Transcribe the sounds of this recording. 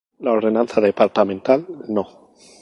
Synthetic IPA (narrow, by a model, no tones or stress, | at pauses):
lao̞ɾðe̞nãnθaðe̞paɾt̪amẽnt̪alno̞